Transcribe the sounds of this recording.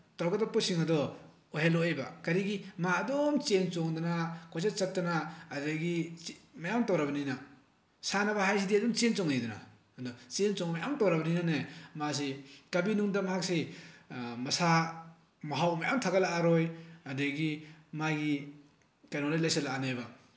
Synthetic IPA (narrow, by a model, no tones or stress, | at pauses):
tawɡadɔpɔsiŋadɔ | oɦelɔejba̰kaɾiɡimaːdɔmt͡ʃent͡ʃɔŋdanakʰɔjs̬at͡ʃatːanaːdɯɡimajamtawɾabanina | sanabaɦajs̬idiadɔmt͡ʃent͡ʃɔŋnidɔna̰ | dɔt͡ʃent͡ʃɔŋmajamtɔwɾabɐninanemas̬ikabinuŋdamaɦak̚se | mɐsa | mɐɦawmajamtʰaɡalaaɾɔjadɯɡimaɡi | kajnɔŋlajlajsalaanajba